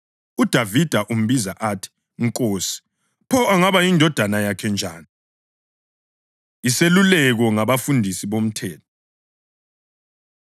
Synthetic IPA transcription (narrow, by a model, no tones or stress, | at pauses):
ud̥ʱavid̥ʱaʔum̩βizaʔatʰi̥ | ŋkʼoːsi̥ | pʰɔaŋaβajindʱɔd̥ʱanajakʰɛnd͡ʒʱa̰ːni | iselulɛɣ̬ɔŋaβafundʱisiβom̩tʰɛːtʰɔ